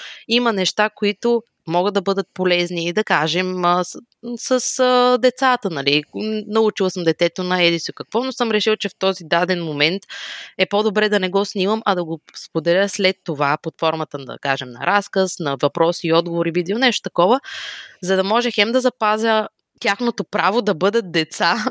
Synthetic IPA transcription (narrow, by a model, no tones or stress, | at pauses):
imɐnɛʃt̪akoit̪ʊ | mɔɡəd̪ːɐbɤd̪ət̪̚polɛzniːd̪ɐkaʒɛmə | səsəd̪ɛt̪sat̪ənɐlinɐut͡ʃilˠsəmd̪ɛt̪ɛt̪onɐɛd̪isokɐkvɔnosɤmɾɛʃilˠt͡ʃɛft̪ɔzid̪ad̪ɛnmomɛnt̪ɛpod̪obɾɛd̪ɐnɛɡɔsnʲiməmʔɐd̪ɐɡospod̪ɛlʲəslɛt̪ːovapot̪fɔɾmət̪ənɐ̰kaʒɛmnɐ̰ɾʔaskəsnɐvɐpɾɔsiːɔd̪̚ɡovoɾibid̪ilˠnɛʃt̪o̥t̪ɐkɔvəzɐd̪ɐmɔʒɛxɛmd̪ɐzɐpazʲə | t̪ʲaxnot̪opɾavod̪ɐbɤd̪ət̪̚d̪ɛt̪sa